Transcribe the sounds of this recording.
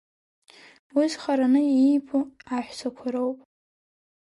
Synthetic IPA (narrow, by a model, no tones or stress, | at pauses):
wizχaɾanɨijpʰuaħʷᶣsʰakʷʰaɾowpʼ